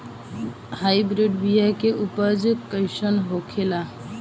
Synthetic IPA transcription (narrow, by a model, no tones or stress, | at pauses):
hajbɾiɖbijakeʔupəd͡ʒkəɪsənɦokʰela